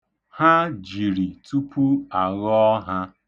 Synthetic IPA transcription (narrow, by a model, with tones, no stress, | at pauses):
ha˦d͡ʒi˨ɾi˨tu˦pʰu˦a˨ɣɔ˦ɦa˦